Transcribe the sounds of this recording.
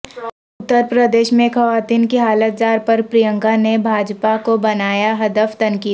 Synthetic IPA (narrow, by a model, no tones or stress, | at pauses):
ʊt̪ːəɾpɾəd̪eːʃmẽxɐʋaːt̪iːnkiɦaːlət̪̚d͡ʒaːɾpɐɾpɾijə̃ŋɡanebʱaːd͡ʒpakobɐnaːjaɦɐd̪əft̪ɐ̃nkiː